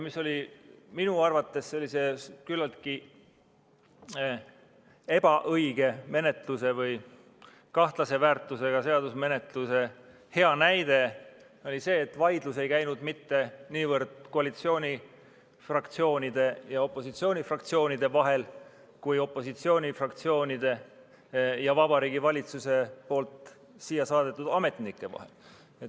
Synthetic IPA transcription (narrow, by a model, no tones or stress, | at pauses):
misːo̞lʲiminuɑrvɑt̪ːe̞sse̞lːise̞kylːɑlt̪̚ki | e̞b̥ɑʔɤjɡ̥e̞me̞ne̞t̪luse̞vɯj | kɑht̪lɑse̞væːrt̪ːˑuse̞ɡ̥ɑse̞ɑd̪usme̞ne̞t̪luse̞ | he̞ɑnæjd̪e̞ | o̞lʲise̞ːt̪vɑjd̪luse̞jkæjnud̪mit̪ːe̞niːvɤrd̪̥ko̞ɑlit̪sio̞ːnʲi | frɑkt̪sio̞ːnid̪̥e̞jɑo̞pːˑo̞sit̪sio̞ːnʲifrɑk̚t̪sio̞ːnid̪̥e̞vɑɦe̞l | kujo̞pːˑo̞sit̪sio̞ːnʲifrɑk̚t̪sio̞ːnʲid̪̥e̞ | jɑvɑbɑɾiːɡivɑlʲit̪suse̞po̞ːlt̪ˑ | siːjːɑsɑːd̪e̞t̪ːˑud̪̥ɑme̞t̪nikːˑe̞vɑ̰he̞̰l | et̪